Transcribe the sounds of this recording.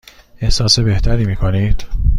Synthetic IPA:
e̞hsɒːse̞be̞ht̪ʰæɾiːmiːkʰoniːd̪̥

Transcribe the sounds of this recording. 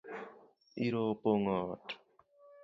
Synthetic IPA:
iɾopoŋɔt

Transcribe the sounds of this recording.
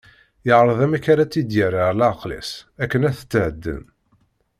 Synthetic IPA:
jəʕɾˤəðæmæçaɾæt͡sːid̪jəɾəɾlæqlæ̰sækːənæθə̥t͡sːhəd̪ːə̰n

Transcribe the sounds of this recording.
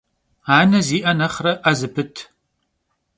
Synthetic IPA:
aːnɐziːʔɐnɐχrɐʔɐzɨpʰɨtʰ

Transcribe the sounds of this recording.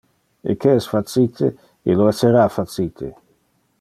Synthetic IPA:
ḛkeɛsfat͡sit̪ʰe | eloɛsːeɾafat͡sit̪ʰḛ

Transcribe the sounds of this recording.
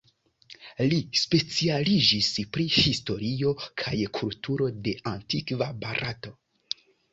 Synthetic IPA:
lispe̞t͡sialid͡ʒispɾihisto̞ɾio̞kʰajkʰultʰuɾo̞de̞ʔantikvabaɾʔato̞

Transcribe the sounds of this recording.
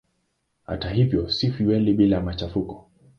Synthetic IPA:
ha̰taɦivjɔsifiwɛliɓilaamat͡ʃafukɔ̥

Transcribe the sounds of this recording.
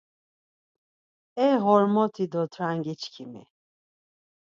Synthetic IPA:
ɛɦɔɾmɔt̪ʰid̪ɔt̪ʰɾaŋɡit͡ʃkʰimɛ̰

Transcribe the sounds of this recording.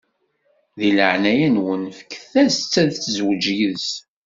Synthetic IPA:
ðiləʕnæjənwənfə̥kːθæst͡sːæðθzwd͡ʒiðs

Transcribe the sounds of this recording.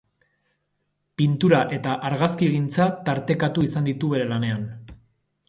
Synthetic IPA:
pint̪uɾaʔe̞t̪aʔaɾɣaskiɣint͡sat̪aɾt̪e̞kat̪uisand̪it̪uβe̞ɾe̞lane̞an

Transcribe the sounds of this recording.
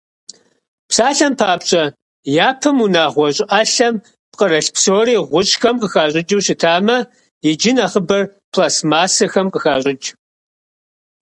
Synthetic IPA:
psaːɬɐmpʰaːpɕʼɐ | jaːpʰɐmunaːʁʷɔɕʼɪʔaɬɐm | p̚qəɾɐɬpsoːriːʁʷʊɕʼxɐmqəxaːɕʼɪd͡ʒuwɕɪtʰaːmɐ | jɪd͡ʒɪnaχəbɐrpʰlaːsmaːsɐxɐmqəxaːɕʼɪd͡ʒ

